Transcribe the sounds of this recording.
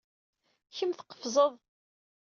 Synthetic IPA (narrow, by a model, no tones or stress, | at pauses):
çəmθə̥qːə̥fzˤəðˤ